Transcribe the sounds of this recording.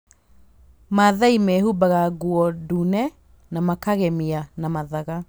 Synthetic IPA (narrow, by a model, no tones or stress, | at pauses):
maðaimehubaɣaɡuɔdunɛ | namakaɣɛmianamaðaɣa